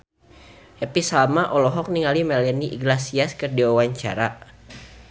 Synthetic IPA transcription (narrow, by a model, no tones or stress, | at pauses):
hɛpisamaʔɔlɔɦɔk̚niŋalimɛlɛniʔiɡlasiaskɨrdiwawaɲt͡ʃa̰ɾa